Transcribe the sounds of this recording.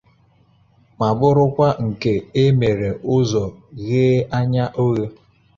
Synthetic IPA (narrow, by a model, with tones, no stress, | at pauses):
ma˨bʊ˦ɾʊ˦kʷa˦ŋ̩˨ke˦e˦me˨ɾe˨ʊ˦zɔ˨ɣeː˦a˦ɲa˦ʔo˦ɣe˦